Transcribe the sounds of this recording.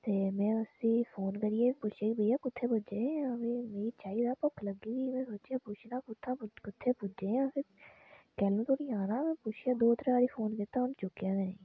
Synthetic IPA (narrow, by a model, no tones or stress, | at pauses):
t̪eːmɛ̃ːəsĩːpʰoːnkəɾɪeːpʊt͡ʃʰeːkbəjaːkʊt̪ʰːeːpʊd͡ʒeːãːʋeːmeːɾiːt͡ʃaːiːd̪aːpɔkʰləɡiːʋiːmɛ̃ːsoːt͡ʃjaːpʊt͡ʃʰnãːpʊt̪ʰːãːkʊt̪ʰːeːpʊd͡ʒeːãːpʰɪɾ | kɛːlũːt̪oːniːaːnãːmɛ̃ːpʊt͡ʃʰjaːd̪oːt̪ɾaːɾiːpʰoːnkɪt̪aːʊnt͡ʃʊkjaːʋɛːnẽː